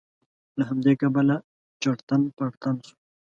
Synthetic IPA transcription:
laɦamd̪ekabəla | t͡ʃaɽt̪anpaɽt̪ansu̥

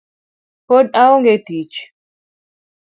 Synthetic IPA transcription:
podaɔŋɡɛtit͡ʃ

